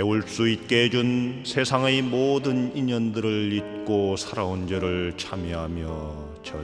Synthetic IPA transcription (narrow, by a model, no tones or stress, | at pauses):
euɭs͈uit̚k͈e̞d͡ʑunsʰe̞sʰaŋemodɯniɲʌndɯɾɯɭit̚k͈osʰaɾaond͡ʑʌɾɯɭt͡ɕʰamjiɦamjʌ | t͡ɕʰʌ